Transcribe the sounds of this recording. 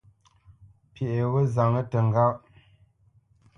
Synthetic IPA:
pje˨ʔe˨ɣə˦za˨ŋə˦tə˨ŋ˨ɡa˦

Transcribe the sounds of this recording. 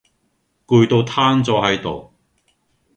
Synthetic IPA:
kuː˧jt̪o˧wt̪ʰaː˥nt͡sɔː˧hɐ˨˥jt̪o̰˨w

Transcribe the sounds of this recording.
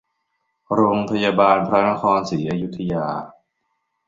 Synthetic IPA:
ɾoː˧ŋpʰa˧jaː˧baː˧npʰɾa˦˥na˦˥kʰɔː˧nsiː˩˦ʔa˧ju˦˥t̪ʰːa˧jaː˧

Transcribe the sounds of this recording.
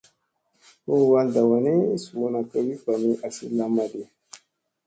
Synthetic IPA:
ho˦wa˦lda˨wa˨ni˦su˨mo˦na˨ka˦wi˦pa˨mi˦ʔa˨sḭ˦la˦ma˨de˨

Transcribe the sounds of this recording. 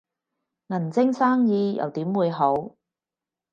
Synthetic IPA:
ŋɐ˨˩nt͡sɪ˥ŋsaː˥ŋjiː˧jɐ̰˨˩wt̪iː˨˥mwuː˨˧jɦo˨˥w

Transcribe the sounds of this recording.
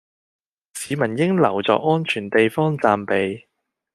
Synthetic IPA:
siː˨˧mɐ˨˩njɪ˥ŋlɐ˨˩wt͡sɔ̰ː˨k̚ŋɔː˥nt͡ʃʰyː˨˩nt̪e˨jfɔː˥ŋt͡saː˨mpe˨˧j

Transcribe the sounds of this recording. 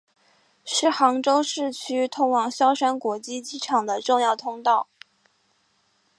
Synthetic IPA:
ʂɻ̩˥˩xɑ˧˥ŋʈ͡ʂo˥ʊʂɻ̩˥˩t͡ɕʰy˥t̪ʰʊ˥ŋwɑ˨˩ŋɕjɑ˥ʊʂa˥nkwɔ˧˥t͡ɕi˥t͡ɕi˥ʈ͡ʂʰɑ˨˩ŋd̪ə˦ʈ͡ʂʊ˥˧ŋjɑ˥˩ʊt̪ʰʊ˥ŋt̪ɑ˥˩ʊ

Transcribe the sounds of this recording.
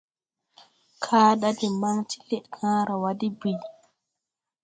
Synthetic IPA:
kʰaː˦ɗa˦dɛ˨ma˦ŋtʰi̥˦lɛ˨ʔkʰãː˦ɾa˨wadi˦bi˨

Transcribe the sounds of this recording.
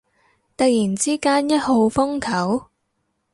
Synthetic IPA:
t̪ɐ˨jiː˨˩nt͡siː˥kaː˥njɐ˥t̚ho˨˧wfʊ˥ŋkʰɐ˨˥w

